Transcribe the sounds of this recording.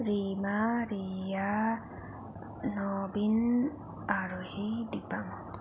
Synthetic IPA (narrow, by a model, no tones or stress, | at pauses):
ɾimaɾija | nɔbin | aɾuhid̪ipam